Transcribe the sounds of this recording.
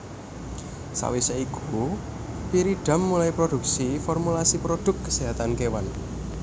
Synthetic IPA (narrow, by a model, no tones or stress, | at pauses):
sa̰wisaiku | piɾiɖ̥a̤mːulaipɾod̥ṳk̚sifɔrmulasipɾoɖ̥ʊ̤kːə̥seɦat̪ankewan